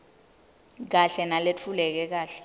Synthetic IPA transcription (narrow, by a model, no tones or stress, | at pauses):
k̬aɬɛnalet͡fʰulɛk̬ɛk̬aːɬɛ̥